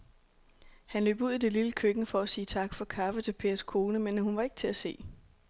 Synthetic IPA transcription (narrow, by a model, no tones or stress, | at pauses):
hænlø̰ːb̥uð̞̰ˠid̥e̝liləkʰøɡ̥nəfɒ̽æsiːt͡sʰɑ̈ɡ̥fɒ̽kʰɑ̈fət͡sʰe̝lpʰe̝ːɐskʰo̝ːnəmenhunʋɑ̈e̝ɡ̥ət͡sʰe̝æse̝̰ː